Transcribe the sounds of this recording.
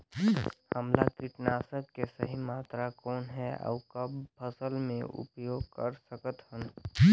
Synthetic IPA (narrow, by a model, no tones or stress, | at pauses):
həmlakɪʈnaːsəkːesəɦimaːt̪ɾakɔːnɦɛə̰ʊkəbpʰəsəlmẽʊ̰pjoːɡ̚kəɾsəkət̪hən